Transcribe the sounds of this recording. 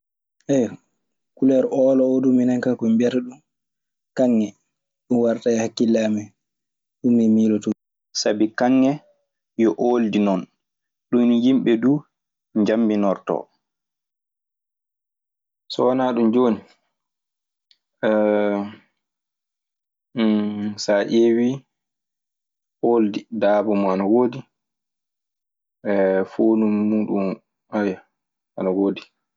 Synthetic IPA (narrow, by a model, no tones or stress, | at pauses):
ʔɛjɔ | kulɛɾʔɔːlɔoduminaŋkakɔmbɛɾɗum | kaŋːɛ | ɗunwaɾtajhakːilːɛːmɛ | ɗumːimiːlɔtɔ | sabikaŋːɛ | jɔʔoldinɔn | ɗunjimɓɛduː | ɲd͡ʒambinɔɾtɔ̰ | sɔwanaɗumd͡ʒoːni | ʔɛ | saʔewi | ʔoːldidaːbɔmɔanawoːdi | ɛfonumːuɗum | aja | ʔanawoːdi